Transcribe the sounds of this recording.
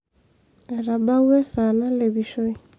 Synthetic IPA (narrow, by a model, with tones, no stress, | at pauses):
ɛ˨ɾa˨ba˦wɛ˦sa˨na˦le˨βi˨ʃo˦i˦